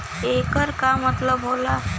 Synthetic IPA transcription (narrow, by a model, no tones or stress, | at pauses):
ekəɾkamət̪ləbɦola